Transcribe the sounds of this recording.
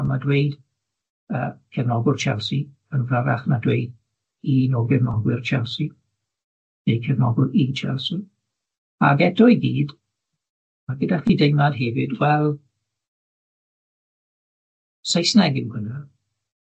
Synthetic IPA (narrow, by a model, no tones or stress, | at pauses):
madwejd | əːkʰɛvnɔɡʊrt͡ʃʰɛ̰lˠsi | ənvəɾaχnadwejd̥ | inɔɡɛvnɔɡwɪrt͡ʃʰɛlˠsi | nejkʰɛvnɔ̰ɡʊlit͡ʃʰɛ̰lˠsi | a̰ɡɛdɔjɡiːd | maɡədaχidejmadɦɛvɪdwɛlˠ | sajsnɛɡɪwhənə